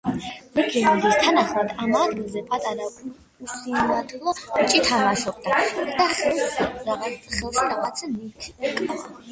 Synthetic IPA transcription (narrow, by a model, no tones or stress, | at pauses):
mɛkʰinaɡist̪ʰanaχlˠad̪amad̪ɡilˠzɛpʼat̪ʼaɾa | usinat̪ʰlˠɔt͡ʃʼit̪ʰaʁaʃɔqʼd̪ad̪aχ | χɛlˠʃiɾaʁat̪sʰɛmit̪ʰkʼa